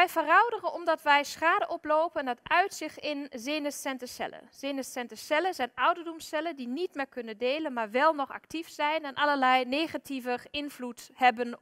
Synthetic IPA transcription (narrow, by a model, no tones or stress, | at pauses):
ʋɛjvərɔwdərənɔmdɑtʋɛjsχaːdəʔɔplowpəndɑtœɥtsɪxɪnzeːnəsɛntəsɛ̰lə̰z̥eːnəssɛntəsɛləzɛjnɔwdədɔmsɛlədinitmɪkɵnəndeːlənmaːɹʋɛlˠnɔχa̰ktifsɛjnɛnʔɑləɹlɛjneχativəɪnvluthɛbən